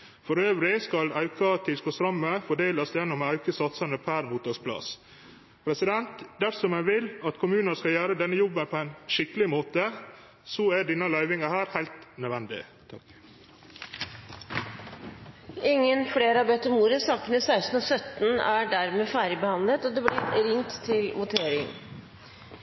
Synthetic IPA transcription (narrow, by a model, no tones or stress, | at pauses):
fɔɾøːʋɾɪskɑlɑʉkɑt̪ʰɪlskɔst̪ɾɑməfɔɖeːlɑsjɛnːɔmːɑʉkəsɑt̪sɑnəpʰæɾmuːt̪ɑɡspʰlɑ̰s | pʰɾɛsɪd̪ɛnt̪d̪æɾsɔmæʋɪlɑt̪kʰʊmʉːnɑskɑljæːɾəd̪ɛnːəjɔbːənpʰɔæɪnʃɪkəlɪmoːt̪ə | sɔæɖɪnɑlɑʏʋɪŋɑhæːɾhæɪlt̪nœd̪ʋɛnd̪ɪ̰ | t̪ʰɑ | ɪŋːənfleːɾɑːbɛt̪əmuːɾəsɑːkənəsæɪst̪n̩osœt̪n̩æɖæɾmeːfæːɾɪbəhɑnlət̪ɔd̪ɛblɪɾɾɪŋt̪ʰːɪlʋʊt̪ʰeːɾɪŋ